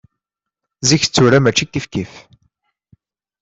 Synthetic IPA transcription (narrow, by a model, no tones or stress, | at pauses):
ziç̥t͡sːuɾæmæt͡ʃːikːifkif